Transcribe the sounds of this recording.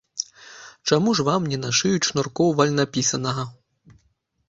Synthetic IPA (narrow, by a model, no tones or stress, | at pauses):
t͡ʂamuʐvamnʲɛnaʂɨjut͡ʂnɔrkɔwvɐlʲnapʲisɐnɐɣɐ